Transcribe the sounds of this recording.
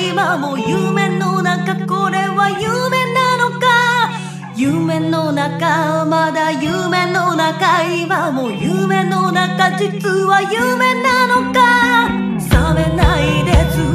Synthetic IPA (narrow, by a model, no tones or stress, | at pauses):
imamo̞jɯmẽ̞nːo̞nakako̞ɾe̞βajɯːmẽ̞nano̞ka | jɯmẽ̞nːo̞nakamad̪ajɯmẽ̞no̞nakaimamo̞jɯmẽ̞no̞nakad͡ʑit͡sɨβajɯme̞nano̞ka | same̞naid̪esɨ